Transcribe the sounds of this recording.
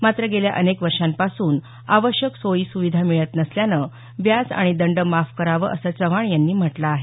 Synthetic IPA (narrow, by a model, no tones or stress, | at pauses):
mat̪ɾəɡelja̰ʔənekʋəɾʂampasuːn | aʋəɕjəksojiːsuʋid̪ʱamiɭət̪nəsljanə | ʋjad͡za̰ɽ̃id̪əɳɖəmafkəɾaʋə̰ʔəsət͡səʋaɳjanːiːm̤əʈlaːɦe